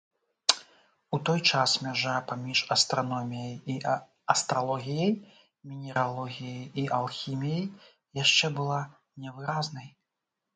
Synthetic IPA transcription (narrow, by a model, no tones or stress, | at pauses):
ut̪ɔjt͡ʂasmʲaʐapamʲiʂɐst̪ɾanɔmʲijɐji | ɐst̪ɾalˠɔɣʲijɐj | mʲinʲɛɾalˠɔɣʲijɐjiʔɐlˠxʲimʲijɐj | jaʂt͡ʂɛbɨlˠa | nʲɛvɨɾaznɐj